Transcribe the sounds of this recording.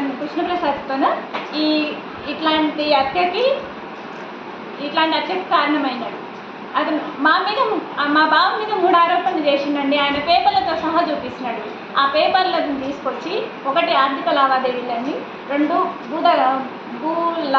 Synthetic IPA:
nukɾuʂnɐpɾɐsɐːd̪t̪ːoːnɐiː | ʈlaːɳʈiɐt̪ʰjɐki | iʈlaːɳʈiɐt̪jɐk̪i̥kaːɾɐɳɐmɐjnaːɽu | ɐt̪ɐnumaːmiːd̪ɐmaːbʱaːʋɐmiːd̪ɐmuːɽaːɾoːpɐnːit͡ʃeːʃind̪ɐɳɖiaːjɐnɐpɛːpɐɾlːɐt̪oːsɐɦat͡ʃuːpisinɐːɽu | aːpɛːpɐɾlɐd̪ɐnt̪iːsu̥kot͡ʃːi | ɔkɐʈiaːɾd̪ʱikɐlaːʋaːd̪eːʋilːɐɳːi | ɾe̞ɳɖubuːd̪ɐ | buːl

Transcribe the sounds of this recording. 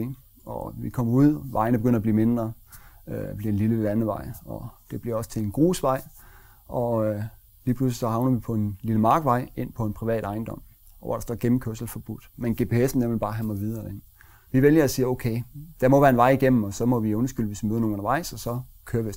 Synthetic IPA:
i | ɒʋikʰɒ̽m̰ɐuð̰ˠʋɑ̈ɪnəb̥eɡ̥øn̰ɐb̥liːme̝nd̥ʁɐ | b̥liɐe̝nliləlænəʋɑ̈ɪ̰ɒ̽d̥e̝b̥liɐɒ̽sə̥t͡sʰe̝lenɡ̥o̝̰ːsʋɑ̈ɪ̰ | ɒ̽ | liːpʰlus̬lisɒ̽hɑ̈ʊnɐʋipʰɒ̽e̝nliləmɑ̈ːɡ̥əʋɑ̈ɪ̰e̝n̰pʰɒ̽e̝npʰʁiʋɛ̰ːɾ̥ɑ̈ɪnd̥ɒ̽m̰ | ɒ̽ʋɑ̈ɾ̥ɑsd̥ɒɡ̥em̩kʰøɐ̰sl̩fɒ̽b̥ud̥menɡ̥e̝ːpʰe̝esn̩ːemlib̥ɑ̈ːɦæmɑʋið̞ˠɐen | ʋiʋeljɐæsiːɐoʊkʰeɪd̥æmɒ̽ʋæːɐenʋɑ̈ɪ̰iɡ̥em̰m̩ɒ̽sɒ̽mɒ̽ʋiɔnsɡ̥yl̰ʋe̝sʋimøðˠnoŋnɔ̽nɐʋɑ̈ɪ̰sɒ̽sɒ̽kʰøːɐʋi

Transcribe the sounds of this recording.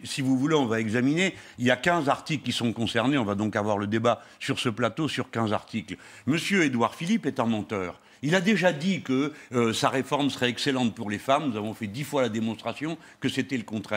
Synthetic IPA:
sivuvuleɔ̃vaɛɡzamineiljakʲɛ̃zaʁt̪iklkʲisɔ̃kɔ̃sɛʁneɔ̃vad̪ɔ̃kavwaʁləd̪eba | syʁsəplat̪osyʁkʲɛ̃za̰ʁt̪ikl | məsjøed̪waʁfilipɛt̪ɑ̃mɑ̃t̪œːʁ | ilad̪eʒad̪ikəːsaʁefɔʁmsə̥ʁɛɛkselɑ̃t̪̚puʁlefamnuzavɔ̃fɛd̪ifwalad̪emɔ̃st̪χasjɔ̃ | kəset̪ɛləkɔ̃t̪χɛ

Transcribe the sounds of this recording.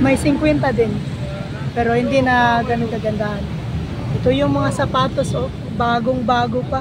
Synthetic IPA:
mɐjsɪŋkwɛnt̪ɐd̪ɪn | pɛːɾo̞hɪnd̪inɐɡɐnoŋkɐɡɐnd̪aʔan | ʔɛt̪o̞jʊŋmɐŋasɐpaːt̪osʔo | baːɡoŋbaːɡopa

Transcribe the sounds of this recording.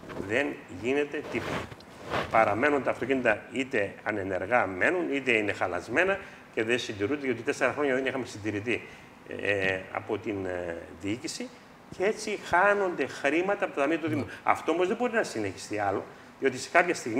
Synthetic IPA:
ðe̞nʝine̞t̪e̞t̪i | pɐɾɐme̞nunt̪ɐːft̪o̞cinit̪ɐit̪e̞ɐne̞ne̞ɾɣɐme̞nunit̪e̞ine̞xɐlɐ̰zme̞nɐ | ce̞ðensind̪iɾund̪eʝeot̪it̪e̞seɾɐxɾoɲɐðenixɐmesind̪iɾit̪i | ɐ̰po̞t̪inðiicisi | cee̞t͡sixɐno̞nd̪e̞xɾimɐt̪ɐːpot̪ɐt̪ɐmiɐt̪uðimuɐ̰ft̪o̞omo̞zðebo̞ɾinɐsine̞çi̥st̪iɐlo̞ | ðiot̪ise̞̥kɐpçɐst̪iɣ

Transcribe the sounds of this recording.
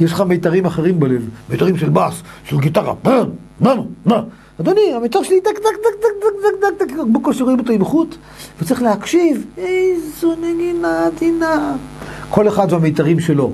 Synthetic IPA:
jeʃleχamejt̪aʁimaχeʁimbelevmejtaʁimʃelbasʃelɡitaʁa̰man | manoma | ad̪oniamejtaʁʃelit̪akakdak̪ak̚daad̪ak̪akbokoʃeʁoimot̪oimχut̪ | vet͡saʁiχleakʃivezuneɡinad̪ina | kʰo̞leχad̪vamejt̪aʁimʃe̞lo̞

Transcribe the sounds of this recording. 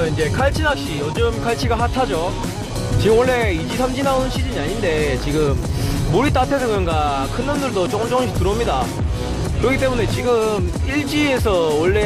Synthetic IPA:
ind͡ʑe̞kʰaɭt͡ɕʰinak̚ɕ͈iʌd͡ʑɯmkʰaɭt͡ɕʰiɡahatʰad͡ʑo | t͡ɕiɡɯmwʌɭːe̞id͡ʑisʰamd͡ʑinaunɕʰid͡ʑiɲiaɲinde̞t͡ɕiɡɯmːuɾit͈atʰe̞sʰʌkɯɾʌŋɡa | kʰɯnːɯndɯɭdot͡ɕ͈oŋt͡ɕʌŋɕʰtuɾomɲida | kɯɾʌkʰit͈emune̞t͡ɕiɡɯmiɭd͡ʑiesʰʌwʌɭːe̞

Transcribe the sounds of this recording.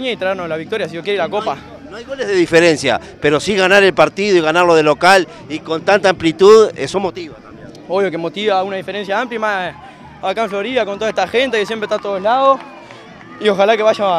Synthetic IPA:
ɲait̪ɾaeɾnolaβik̚t̪o̞ɾjas̬ijokjeɾiɾako̞pa | noajɣo̞lezðe̞ðife̞ɾe̞nsja̰ | pe̞ɾo̞siɣanaɾe̞lpaɾt̪iðoiɣanaɾlo̞ðelo̞kal | iko̞nt̪ant̪aːmplit̪uðḛsomo̞t̪iβat̪ame | oβjo̞kemo̞t̪iβaunaðifeɾens̬jaampljaima | akaeɱflo̞ɾiðakont̪oaet̪axent̪̬aiðesjempɾeht̪at̪oðoelaðo | io̞xalakeβaʃa

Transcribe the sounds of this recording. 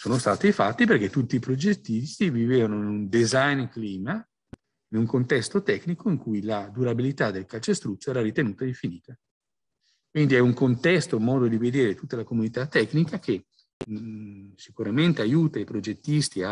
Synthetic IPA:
soːnost̪aːt̪ifat̪ːip̬erk̟et̪ːut̪ːiːpɾod͡ʒet̪ːist̪iviveːvanoinund̪ezajnkliːma | inuŋkont̪ɛst̪ot̪ɛknikoiŋkujlad̪uɾabilit̪ad̪elkalt͡ʃest̪ɾut̪soɛːɾaɾit̪enuːt̪aiɱfiniːt̪a | kwind̪iɛuŋkont̪ɛst̪omɔːd̪od̪ived̪eːɾet̪ut̪ːalakomunit̪at̪ːɛkːnikak̟e | sikuɾament̪eajuːt̪aipɾod͡ʒet̪ːist̪ia

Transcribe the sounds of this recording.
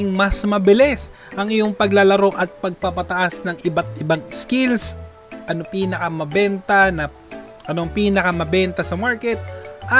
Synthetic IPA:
ŋmɐsmɐbɪlɛs | ʔɐŋɪjoŋpɐɡlalɐɾo̞ʔɐt̪̚pɐɡ̚pɐpɐt̪ɐʔasnɐŋʔɪbat̪̚ʔɪbaŋskɪls | ʔɐnopiːnɐkɐmɐbɛnt̪ɐnɐ | ʔɐnoŋpiːnɐkɐmɐbɛnt̪ɐsɐmaɹkɛt̪̚ʔɐ

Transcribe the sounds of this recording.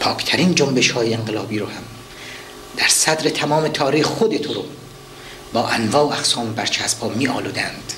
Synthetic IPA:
pʰɒːkʰt̪ʰæɾiːnd͡ʒombe̞ʃhɒːjeeŋɢelɒːbiːɾoːhæm | d̪̥æɾsæd̪ɾet̪ʰæmɒːmet̪ʰɒːɾijxod̪et̪ʰoɾo | bɒːʔænvɒːoæxsɒːmbæɾt͡ʃʰæspʰɒːmiːʔɒ̰ːluːd̪ænd̪̥

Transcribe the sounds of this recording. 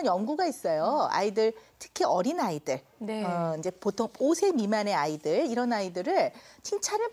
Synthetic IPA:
njʌŋɡuɡais͈ʌjoa̰idɯɭtʰɯ̥kʰiʌɾinaidɯɭneʌind͡ʑe̞potʰoŋosʰe̞mimane̞aidɯɭiɾʌnaidɯɾɯɭt͡ɕʰiŋt͡ɕʰaɾɯ

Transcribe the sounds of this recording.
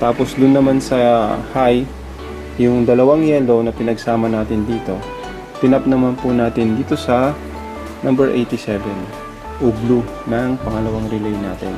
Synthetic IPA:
t̪aːpo̞slʊnːɐmansɐhaj | jʊŋd̪ɐlɐwaŋjɛːlo̞nɐpɪnɐɡsaːmɐnaːt̪ɪnd̪iːt̪o̞ | t̪ɪnɐp̚nɐmanpʊnaːt̪ɪnd̪iːt̪o̞sɐ | nʔɐmbɛɹʔḛjt̪ɪsɛvɛn | ʔʊblu | nɐŋpɐŋɐlɐwaŋɾɪlɛjna̰ːt̪ɪn

